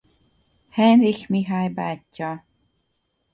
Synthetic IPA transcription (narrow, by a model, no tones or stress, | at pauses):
hɛnɾixmiɦajbaːcːɔ